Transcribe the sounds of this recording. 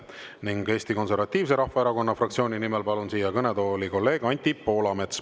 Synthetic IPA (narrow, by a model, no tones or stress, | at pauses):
niŋɡ̥e̞ːst̪iko̞nse̞ɾvɑt̪ʲːˑiːvs̬e̞ɾɑhvɑeɾɑko̞nːɑfrɑkt̪sio̞ːnʲinimelpɑlunsiːjɑkɤne̞d̪o̞ːliko̞lːe̞ːɡ̥ɑnʲt̪ʲːipo̞ːlɑmet̪s